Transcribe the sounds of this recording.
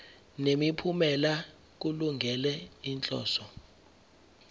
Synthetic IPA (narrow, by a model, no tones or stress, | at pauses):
nemipʰumɛla | k̬uluŋɡʱɛlɛint͡ɬʼɔ̰ːsɔ